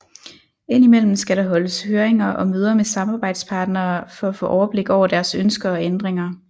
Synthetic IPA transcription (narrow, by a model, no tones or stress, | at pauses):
e̝n̰imel̰m̩sɡ̥æɾɑ̈ɦɒ̽ləshøːɐeŋɐʔɒ̽møːð̞ˠɐmesɑ̈mɑ̈ːb̥ɑ̈ɪ̰d̥spʰɑ̈ːd̥nɐːfɒ̽æfɔ̰ːʔɒʊɐb̥le̝ɡ̥ɒʊ̰ɐd̥æɐsønsɡ̥ɐɒ̽end̥ʁeŋɐ